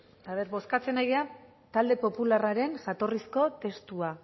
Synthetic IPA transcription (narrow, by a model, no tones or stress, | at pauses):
aβe̞ɾβo̞skat͡se̞najɣea | t̪ald̪e̞po̞pularaɾe̞nʝat̪o̞risko̞t̪e̞st̪ua